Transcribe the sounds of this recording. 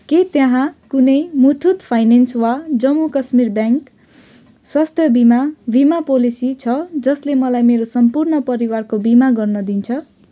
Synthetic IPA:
ket̪jãɦãkunʌjmut̪ʰut̪pʰajnenswad͡zʌmːukʌsmirbjaŋk | swast̪ʰjʌbimabimapolisit͡sʰʌd͡zʌslemʌlajmeɾosʌmpurnʌpʌɾiwarkobimaɡʌrnʌd̪int͡sʰʌ

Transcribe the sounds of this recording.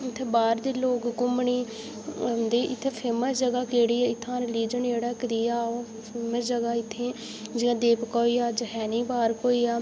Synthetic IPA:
ɪt̪ʰːeːbaːɾd̪eːloːkkʊmɳiː | d̪eːɪt̪ʰːepʰeːməsd͡ʒəɡaːkeːɽiːɪt̪ʰːãːɾɪliːd͡ʒəneːɽaːkəd̪iːaːoː | pʰeːməsd͡ʒəɡaːɪt̪ʰːeː | d͡ʒɪãːd̪eːpkɔːiːaːd͡ʒəɦɛːniːbaːɾkoːiːaː

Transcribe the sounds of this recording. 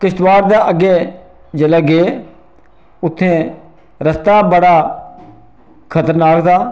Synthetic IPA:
kɪʃt̪ʋaːɾd̪aːʔəɡeː | d͡ʒələɡeː | ʊt̪ʰːẽː | ɾəst̪aːbəɽaː | kʰət̪əɾnaːkt̪aː

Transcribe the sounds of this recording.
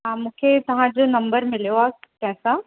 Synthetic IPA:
ɦãmũːkʰet̪ɐɦãd͡ʑonɐmbəɾmɪljoakɛːsa

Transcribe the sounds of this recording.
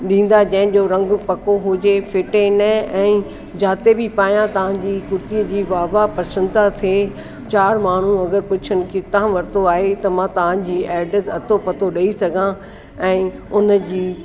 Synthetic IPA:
ɗĩːn̆d̪ad͡ʑɐ̃ɦɪ̃̆d͡ʑoːɾɐ̃ŋɡpɐkoɦʊd͡ʑefɪʈenɐɛ̃ː | d͡ʑaːt̪ebɪpaːjãt̪ɐʋ̤ãd͡ʑiːkʊɾt̪iːəd͡ʑiːʋaːʋapɐɾsə̃nd̪at̪ʰe | t͡ɕaːɾmaːɳ̤ũɐɡəɾpʊt͡ɕʰənɪ̆kɪt̪ɐãʋɐɾt̪oaːɦet̪ɐmãt̪ɐʋ̤ãd͡ʑiːɛːɖət̪ɐt̪ʰopɐt̪oɗɐisɐɡʱã | ɛ̃ːʊnəd͡ʑiː

